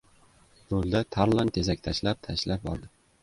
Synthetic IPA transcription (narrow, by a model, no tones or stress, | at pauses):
olˠd̪at̪ʰaɾlˠant̪ʰezakʲt̪ʰaʃlap̚t̪ʰaʃlap̚bɒ̰ɾd̪ɪ